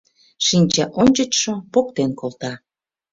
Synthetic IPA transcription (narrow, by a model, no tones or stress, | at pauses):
ʃinʲt͡ɕɑʔonʲt͡ɕət͡ɕʃopokt̪enkolˠt̪ɑ